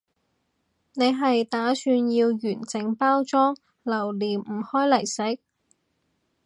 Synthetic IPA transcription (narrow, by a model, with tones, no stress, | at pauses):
ne˨˧jɦɐ˨jt̪aː˨˥syː˧njiː˧wjyː˨˩nt͡sɪ˨˥ŋpaː˥wt͡sɔː˥ŋ | lɐ˨˩wliː˨˩n̩˨˩hɔː˥jlɐ˨˩jsɪ˨˥k̚